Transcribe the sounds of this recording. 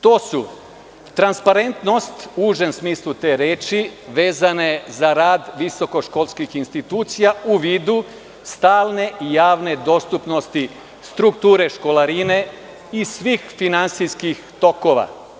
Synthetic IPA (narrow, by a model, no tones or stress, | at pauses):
t̪o̞ːsu | t̪ɾanspaɾe̞nt̪no̞st̪uuːʒe̞msmiːslˠut̪e̞ːɾeːt͡ʃiʋe̞ːzane̞zaɾaːd̪ʋiso̞ko̞ʃko̞lˠskixinst̪it̪uːt̪sijauʋiːd̪u | st̪aːlne̞ʔijaːʋne̞d̪o̞st̪upno̞st̪i | st̪ɾukt̪uːɾe̞ʃko̞laɾine̞ | isʋiːxfinant̪sijskixt̪o̞ko̞ʋa̰